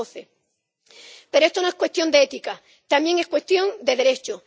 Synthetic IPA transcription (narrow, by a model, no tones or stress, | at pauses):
oθe | pe̞ɾoe̞st̪ono̞ekwe̞st̪jo̞nd̪eet̪ika | t̪amje̞ŋe̞skwe̞st̪jo̞nd̪e̞ðe̞ɾe̞t͡ʃo